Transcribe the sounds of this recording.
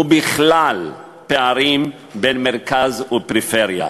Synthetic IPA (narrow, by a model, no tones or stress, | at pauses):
ubiχlal | peaɾim | benmeʁkazupɾifeɾja̰